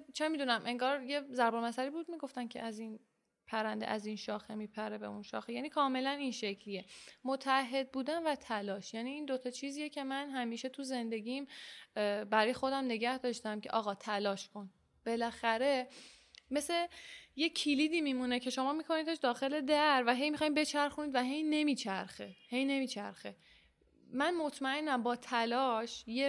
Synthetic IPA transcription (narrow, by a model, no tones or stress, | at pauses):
t͡ʃʰemid̪unæmʔe̞ŋɡɒːɾje̞zæɾbomæsæɾiːbuːd̪̚miːɡo̞ft̪æmcʰeʔæzin | pʰæɾænd̪eʔæzinʃɒːxemiːpʰæɾebe̞̰unʃɒ̰ːxejæːniːkʰɒːme̞læninʃecʰlijemot̪ʰææɦːe̞d̪̚buːd̪ænvæt̪ʰælɒːʃjæːniːnd̪ot̪ʰɒːt͡ʃʰiːziːjecʰe̞mænɦæmiːʃe̞t̪ʰuze̞nd̪e̞ɟiːm | bæɾɒːjexo̞d̪æmne̞ɟæhd̪ɒːʃt̪æmcʰe̞̰ʔɒ̰ːɣɒːt̪ʰælɒːʃkʰo̞n | b̥e̞læxæɾe̞ | me̞se̞je̞cʰiliːd̪iːmimune̞cʰe̞ʃo̞mɒːmiko̞niːt̪t̪eʃd̪ɒːxe̞le̞d̪æɾvæɦe̞jmixɒjimbe̞t͡ʃʰæɾxuniːd̪væɦe̞jne̞miːt͡ʃʰæɾxehe̞jne̞miːt͡ʃʰæ̰ɾxe | mænmot̪ʰmæe̞nːæmbɒːt̪ʰælɒːʃje